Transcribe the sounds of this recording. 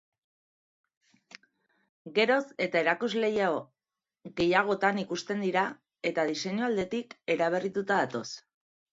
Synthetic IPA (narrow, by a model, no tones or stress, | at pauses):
ɡe̞ɾo̞se̞t̪ae̞ɾakuzle̞jao | ɣe̞jaɣ̞o̞t̪anikust̪e̞nd̪iɾa | e̞t̪aðise̞ɲuald̪e̞t̪ike̞ɾaβ̞erit̪ut̪aðat̪o̞s